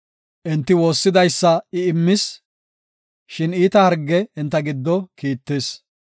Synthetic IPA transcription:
ʔɛnt̪ːɪwo̞ːsːɪd̪ɐjsːɐɪɪmːɪs | ʃɪniːt̪ɐhɐɾɡːɛɪnt̪ːɐɡɪd̪ːɔkiːt̪ːɪs

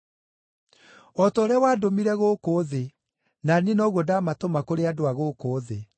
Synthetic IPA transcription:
ɔtoɾɛwaːdomiɾɛɣokoðe | nanenɔɣwɔdamatomakoɾeadoaɣoːkoːðe

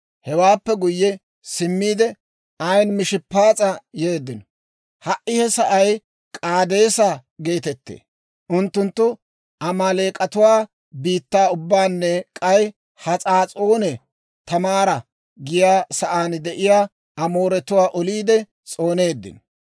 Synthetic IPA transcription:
hɛwaːpːɛɡʊjːɛ | sɪmːiːd̪ɛ | ɐjnmɪʃɪpːaːt͡sʼɐje̞ːd̪ːɪnɔ | hɐʔːɪhɛsɐʔɐj | kʼaːd̪e̞ːsaɡe̞ːt̪ɛt̪ːḛː | ʔʊnt̪ːʊnt̪ːʊ | ɐmale̞ːkʼɐt̪ʊwaː | biːt̪ːaːʊbːaːnːɛkʼɐj | hɐt͡sʼaːt͡sʼoːnɛ | t̪ɐmaːɾɐ | ɡɪjaːsɐʔaːnd̪ɛʔɪjaː | ɐmo̞ːɾɛt̪ʊwaːʔɔliːd̪ɛ | t͡sʼo̞ːneːd̪ːɪ̰nɔ

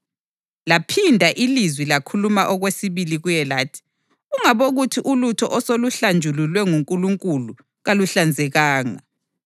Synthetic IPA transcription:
lapʰindʱaʔilizwilakʰulumaʔɔɣwesiβiliɣujɛlaːtʰi̥ | uŋaβoɣutʰiʔulutʰɔʔɔsoluɬand͡ʒʱululwɛŋuŋkʼuluŋkʼulu | ɣaluɬand͡zʱɛɣaːŋa̰

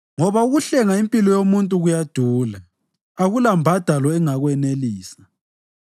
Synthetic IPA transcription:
ŋɔβauɣuɬɛŋaimpʼilɔjomuntʼuɣujad̥ʱuːla | aɣulambʱad̥ʱalɔɛŋaɣwɛneliːsḁ

